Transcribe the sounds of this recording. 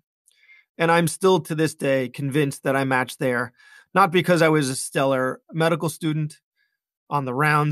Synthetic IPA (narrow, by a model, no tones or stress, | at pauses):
ɨ̃ɾ̃ãɪ̃mstɪlˠtʰɨðɪsd̥eɪkʰɨ̃nvɪ̃nsðɨɾaɪmæt͡ʃðə˞ | nət̚b̥ɨkʰʌzaɪwʌzɨstɛlˠə˞mɛɾəkl̩ˠstʉdⁿn̩t | n̩ðəɹãʊ̃n